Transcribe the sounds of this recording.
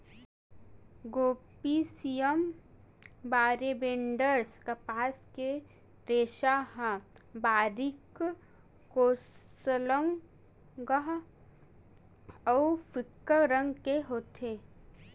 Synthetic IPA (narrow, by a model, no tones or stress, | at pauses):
ɡoːpisijəm | baːɾebẽɳɖəɾskɐpaːske | ɾeːʃaɦãbaːɾik | koːsələŋ | ɡəɦ | ɔwfɪkːəɾə̃ŋɡkeɦoːt̪ʰeː